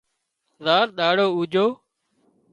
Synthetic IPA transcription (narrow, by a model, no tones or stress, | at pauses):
zaːɾɗ̪aːɽoːuːd͡ʒoː